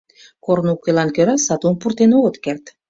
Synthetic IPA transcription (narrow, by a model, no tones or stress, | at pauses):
kornukːelɑnkøɾɑsɑt̪ompurt̪enoɣət̪kert̪